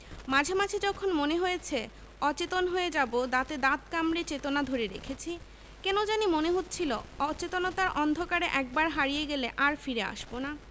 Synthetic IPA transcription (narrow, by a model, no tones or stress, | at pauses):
mad͡ʑʱemad͡ʑʰʱed͡ʑɔkʰonmoneɦojet͡ɕʰe | ɔt͡ɕet̪onɦoed͡ʑabod̪at̪ed̪at̪kamɾet͡ɕet̪onad̪ʱoɾeɾḛkʰet͡ɕʰi | kɛnod͡ʑanimoneɦot̪ːt͡ɕʰiloɔt͡ɕet̪onot̪aɾʔɔnd̪ʱokaɾeʔɛk̚baɾɦaɾijeɡeleʔaɾfiɾea̰ʃbona